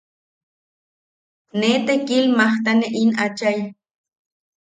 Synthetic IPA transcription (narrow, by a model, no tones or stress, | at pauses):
net̪ekilmaht̪aneʔinat͡ʃaj